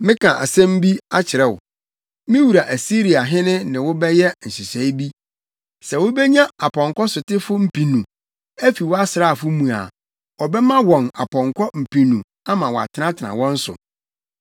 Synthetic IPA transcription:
mɪ̃˦kʰã˨ʔa̰˨sɛ̃˦m˦bi˦a˦t͡ɕʰɪ˨ɾɛ˦wʊ̰˨ | mɪ̃˦wu˨ɾa˨ʔæ˨si˦ɾi˨a˨ɦɪ̃˦nɪ̃˦nɪ̃˨wʊ˦bɛ˦jɛ˦n̩˨sɪ˨sɛ˨˦i˦bi˦ | sɛ˨wʊ˦bɛ˦ɲã˦a˨pʰɔ̃˨ŋkɔ˦sʊ˨tɪ˦fʊ˦m̩˨pi˨nũ˨ | æ˦fi˨wɔ˦a˦sɪ˨ɾa˦˨fʊ˦mũ˨a̰˨ | ɔ˨bɛ˦mã˦wɔ̃˨na˨pʰɔ̃˨ŋkʰɔ˦m̩˨pʰĩ˨nũ˨ | a˦mã˨wɔ˨a̰˨tʰɪ˨˦nã˦tʰɪ˨nã̰˨wɔ̃˦n̩˦sʊ̰˨

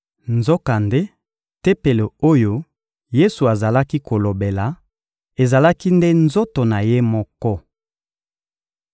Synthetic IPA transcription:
nzɔ˦ka˨nde˦ | te˦pe˨le˨o˦jo˦ | je˦su˨a˨za˨la˦ki˦ko˨lo˨be˨la˨ | e˨za˨la˦ki˦nde˦nzo˦to˨na˨je˦mɔ˦kɔ˦

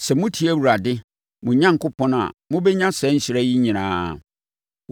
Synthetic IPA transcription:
sɛ˨mʊ̃˦tʰi˨˦æ˦wu˨ɾa˨dɪ˦ | mʊ̃˨ɲã˦ŋ̩˨kʊ˦pʰɔ̃˦na̰˨mʊ̃˦bɛ˦ɲã˦sɛ˨˦ɲ̩˦ɕɪ˨ɾæ˦ji˦ɲĩ˨nã̰ː˨˦˨

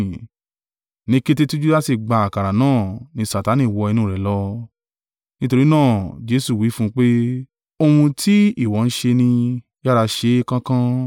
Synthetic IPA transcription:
nĩ˦ke˦˧te˦˧tu˦d͡ʒu˦la˦si˦˨ɡ͡ba˧a˨ka˨ɾa˨nãː˦˨nĩ˧sa˨ta˨˦nĩ˨wɔ˧i˧nũ˦˨ɾɛ˨lɔ˦ | nĩ˦to˧ɾi˦nãː˦˨d͡ʒe˦su˦˨wi˨˦fũ˦˧k͡pe˦ | o˧hũ˧tʰi˦i˦˨wɔ˨˦n̩˦ʃe˧nĩ˧ | ja˦ɾa˧ʃe˧˦kã˦kã˦

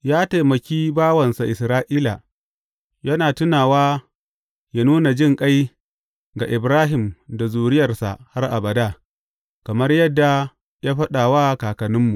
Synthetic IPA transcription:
jaː˦ta˨jmɐ˨kʲiː˦baː˦wɐ˨nsa˨ʔɪ˨sɾaː˦ʔiː˦la˨ | jɐ˦naː˨tʊ˦naː˨waː˦ | ja˦nuː˦na˨d͡ʒɪ˦˨ŋkʼa˦j | ɡa˨ʔɪ˨bɾaː˦ɦɪ˨mda˨zuː˨ɽɪ˦jɐ˨rsa̰˨ha˦rʔa˨bɐ˨daː˦ | kɐ˨mɐ˦rjɐ˦dːa˨ | jaː˦ɸɐ˦ɗaː˨waː˦kaː˨kɐ˨nɪ˦mːu˨ʔ

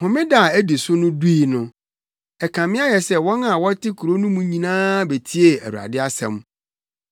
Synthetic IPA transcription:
hʊ̃˨mɪ̃˦da˦˨æ˦di˨sʊ˦nʊ̃˦du˦i˨nʊ̃˨ | ɛ˨kʰã˨mɪ̃˦a˦jɛ˨sɛ˦wɔ̃˦na˨wɔ˦tʰɪ˦kʰu˨ɾo˦nʊ̃˦mũ˦ɲĩ˨nãː˦be˨tʰi˦e˨æ˨wu˨a̰˨dɪ˦a˦sɛ̰̃˨m

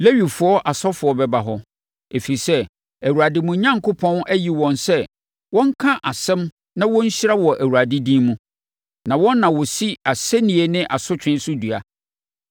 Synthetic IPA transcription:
le˦ɥi˨fʊ˨˦ɔ˦ʔa˨sɔ˦fʊ˨ɔ˦bɛ˦ba˨ɦɔ˦ | e˨fi˨sɛ˦ | æ˨wu˨a˨dɪ˨mũ˨˦ɲã˦ŋkʰʊ˦pʰɔ̃˦næ˦ji˨wɔ̃˨nsɛ˦ | wɔ̃˦ŋ̩˦kʰã˦ʔa˨sɛ̃˦m | nã˦wɔ̃˦ɲ̩˦ɕɾa˦wɔ˨ʔæ˨wu˨ɾa˨dɪ˦dĩː˦mũ˦ | nã˨wɔ̃˦nː˦ã˨wɔ˨si˦a˨se˦nĩ˨e˨nɪ̃˦ʔa˨sʊ˦t͡ɕᶣɪ̃˦n˦sʊ˦du˨a˨

